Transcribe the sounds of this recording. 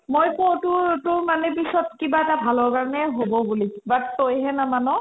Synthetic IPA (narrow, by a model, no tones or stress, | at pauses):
mojpowtʊtʊɹmanɛp̬isɔtkibaɛtabʱalɔɹkaɹnɛɦobɔbulibatojɦɛnamanɔ